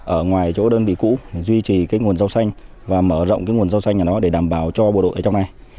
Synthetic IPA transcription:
ʔəː˧˩ŋwaː˨˩jt͡ɕo̰˧˥ɗəː˧nvḭ˧˨kṵ˧˥˩zwi˧t͡ɕi˨˩kaː˨˦jŋu˨˩ənza˧wsa˧jŋ̟ | vaː˨˩məː˧˩zə̰˧˨wŋ͡mkaː˨˦jŋu˨˩ənza˧wsa˧jŋʔa˨˩ɗɔ˨˦ɗe˧˩ɗaː˧˩mɓaː˧˩wt͡ɕɔ˧ɓo̰˧˨ɗo̰˧˨ʔəː˧˩t͡ɕwŋ͡mna˨˩j

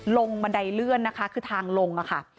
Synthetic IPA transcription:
lo˧ŋba˧nda˧jlɯ˥˩ənːa˦˥kʰa˦˥kʰɯː˧t̪ʰaː˧ŋlo˧ŋʔa˨˩kʰa˥˩

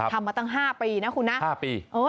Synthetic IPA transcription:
a˦tʰa˧mːaː˧t̪ɔ˥˩ŋɦaː˥˩piː˧na˦˥kʰu˧nːa˦˥ʔhaː˥˩piː˧ʔɤː˧

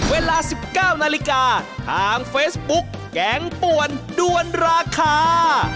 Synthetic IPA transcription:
weː˧laː˧si˨˩p̚kaː˥˩wnaː˧li˦˥kaː˧t̪ʰaː˧ŋfeː˦˥sbu˦˥k̚ːɛː˨˩˦ŋpu˨˩əndu˧ənɾaː˧kʰaː˧

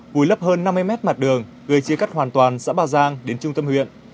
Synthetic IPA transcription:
vu˨˩˦jlə˦˥p̚həː˧nːa˧mːɨ˧əjmɛ˦˥t̚ma˨˩t̚ɗɨ˨˩əŋ | ɣəː˨˩jt͡ɕi˧əka˦˥k̚hwaː˨˩nt̪waː˨˩nsa̰ː˧˥ɓaː˧˩zaː˧ŋɗe˨˦nt͡ɕʊ˧ŋ͡mt̪ə˧mhwḭ˧˨ən

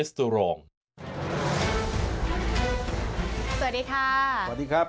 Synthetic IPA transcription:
st̪u˧ɾɔː˧˩ŋ | so˨˩diː˨˧kʰaː˥˩a˩t̚diː˧kʰa˦˥˩

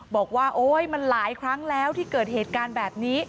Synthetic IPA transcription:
bɔː˨˩k̚waː˥˩ʔoː˧˩jma˧nlaː˩˦jkʰɾa˦˥ŋlɛː˦˥wt̪ʰiː˥˩kɤː˨˩t̪̚heː˨˩t̪̚kaː˧nbɛː˨˩p̚niː˦˥

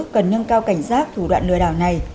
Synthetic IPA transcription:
k̚kə˨˩nɲə˧nkaː˧wka˧˩jŋ̟saː˦˥k̚t̪ʰu˧˩ɗwa̰ː˧˨nlɨ̰˧˨əɗaː˧˩wna˨˩j

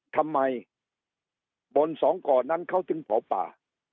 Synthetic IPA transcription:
t̪ʰa˧mːa˧j | bo˧nsɔː˩˦ŋkɔː˨˩na˥˨nkʰa˥˩wt̪ɯ˧˦ŋpʰɔː˨˦wpa̰ː˨˩

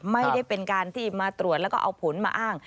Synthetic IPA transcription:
ma˥˩ja˥˩jpe˧nkaː˧nt̪ʰiː˥˩maː˧t̪ɾu˨˩t̪̚lɛ˦˥wkɔː˥ʔa˧wpʰo˩˦nma̰ː˧ʔaː˥˩ŋ

